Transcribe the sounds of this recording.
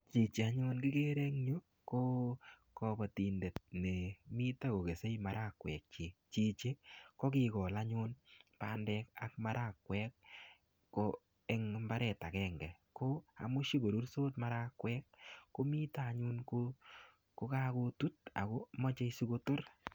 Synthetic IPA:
t͡ʃi˨t͡ʃe˨a˦ɲʊ˦nkɪ˦ke˦ɾe˦ŋɲo˦ | ko˦ | kɔ˨ba˨ti˨nde˨t̚ne˨mi˦ta˦ko˨ke˨se˦jmaɾa˦kwɛ̰˨k̚t͡ʃɪ˨t͡ʃi˨t͡ʃe˦kɔ˦kɪ˦kɔ˨la˦ɲʊ˦npa˦ndɛ˧ka˨k̚ma˦ɾʔa˦˨kwɛk̚ː | o˦ | ɛ˦ŋmba˦ɾɛ˨ta˨kɛːŋɡɛ˨ | ko˦a̰˨mʊ˦ʃi˦ɡo˨ɾu˦rsoː˦tma˦ɾa˦kwɛ˦k̚ːo˦mi˦ta˦˨ɲʊ˦nko˦ | ko˦ka˦ko˦tu˦t̚a̰˨ko˦mɔ˦t͡ʃe˦isu˦ko˦to˦r

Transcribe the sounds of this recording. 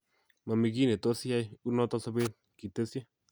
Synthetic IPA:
ma˨mi˨ki˦ne˨to˦si˦a˦ju˦nɔ˦tɔ˦sa˦be˦t̚ | ki˨te˦sja˦

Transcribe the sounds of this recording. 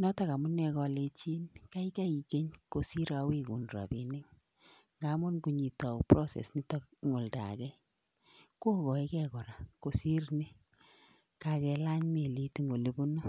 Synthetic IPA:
nɔ˦ta˨ka˨mʊ˦nɛ˨kɔ˧le˧t͡ʃi˦nka˦i˦ka˦i˨ke˦ɲko˨si˦ɾa˦we˦ku˨nɾa̰˨bi˨nɪ˦ŋ | ŋɡa˦mʊ˦nku˨ɲi˨tɔ˨pɾo˦sḛ˨sni˦tɔ˦kŋo˨lta̰˨kɛ˦ | ko˦kɔ˨i˦kɛ˦kɔ˨ɾa˨ko˨si˦rne˦ | ka˨kɛ˨la˦ɲme˨li˦ti˦ŋo˨le˦bu˦no˦

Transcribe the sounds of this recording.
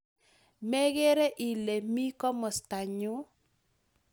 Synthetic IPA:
mɛ˦ɣe˦ɾe˦ʔi˨le˨mi˦kɔ˦mɔ˨sta˨ɲʊ˦

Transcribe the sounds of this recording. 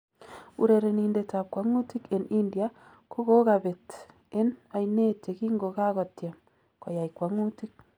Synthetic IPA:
u˨ɾe˨ɾe˨ni˨ndeta˨p̚kwa˦ŋu˦ti˦ke˨ni˦ndja˦ | ko˦ɡo˦ka˨be˨t | e˦na˨jne˦te˨ki˦ŋɡo˨ka˦ɣɔ˨tja˨m | kɔ˨ja˨jkwa˦ŋu˦ti˦k̚

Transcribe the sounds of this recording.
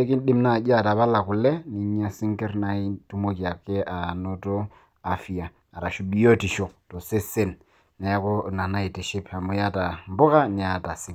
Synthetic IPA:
e˦ki˦n˦ɗi˦mna˨d͡ʒa˦˨ta˨ba˦la˨ku˨lːɛ˦ni˨˦ɲa˦si˦ŋkɛ˦ɾna˨i˦tu˦mo˦ki˨a˨kːe˦ʔa˨no˦to˦ | a˨fi˨ja˨ | a˨ɾa˨ʃu˨bi˦jo˦ti˨ʃo˨to˨se˦se˦n | na˨a˦ko˦na˨na˦i˨ti˨ʃi˦pa˨mu˨ja˦ta˨m˦bʊ˦ka˦n˨a˨a˦ta˨si˦

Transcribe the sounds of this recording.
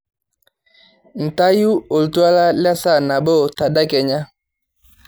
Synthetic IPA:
n̩˨ta˦ju˦o˨lu˨tu˦a˦la˦la˦sa˦˨na˨bɔ˦˨ta˨da˦kɛ˨ɲa˦

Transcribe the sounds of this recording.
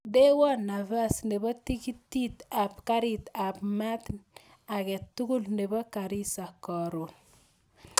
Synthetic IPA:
de˦wɔ˦na˨va˦sne˨bɔ˦ti˦ki˦tːi˦t̪a˨pka˦ɾit̪a˨pma˦t̪ | a˨kɛ˨tːu˦ɡu˦lne˨bɔ˦ka˨ɾi˦sa˨kɔ˨ɾo˨n

